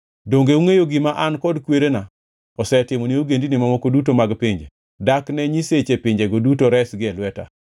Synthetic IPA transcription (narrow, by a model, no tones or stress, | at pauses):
doŋɡeuŋejoɡɪmaʔankɔdkweɾena | ɔsɛtɪmonioɡendinɪmamokodutomaɡpɪɲd͡ʒḛ | daknɛɲiset͡ʃepɪɲd͡ʒeɡodutoɾɛsɡɪɛlwɛta̰